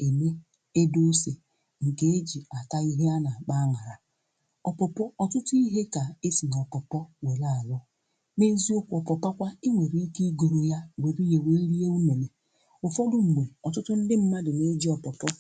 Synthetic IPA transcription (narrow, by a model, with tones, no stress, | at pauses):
e˨me˦ | e˦do˦se˨ | ŋ̩˨ke˦e˦d͡ʒi˨a˨ta˦i˦ɦe˦a˦na˨a˨k͡pa˦ŋa˨ɾa˨ | ɔ˨pɔ˨pɔ˦ɔ˨tʊ˦tʊ˦i˦ɦe˦ka˨e˦si˨nɔ˨pɔ˨pɔ˦we˨la˦a˨lʊ˦ | ne˦zi˦o˦kʷɔ˨pɔ˨pa˦kʷa˦i˦ŋʷe˨ɾi˦ki˦ɡo˨ɾo˦ja˦wʷe˨ɾi˦je˨we˦li˦je˦u˦ne˨le˨ | ʊ˨fɔ˦dʊ˨ŋ͡m̩˨ɡ͡be˨ɔ˨tʊ˦tʊ˦n̩˦dɪ˦m̩˦ma˦dɪ˨ne˦d͡ʒi˦ɔ˨pɔ˨pɔ˦